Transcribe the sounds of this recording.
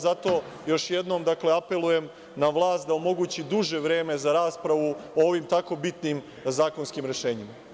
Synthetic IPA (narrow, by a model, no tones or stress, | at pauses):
zat̪o̞ː | jo̞ʃje̞d̪no̞ːmd̪akle̞ape̞luje̞m | naʋlˠaːst̪̚d̪ao̞mo̞ɡuːt͡ɕid̪uʒe̞ʋɾe̞ːme̞zaɾaːspɾaʋuooːʋimt̪ako̞bit̪nim | zaːko̞nskimɾe̞ʃe̞ːɲima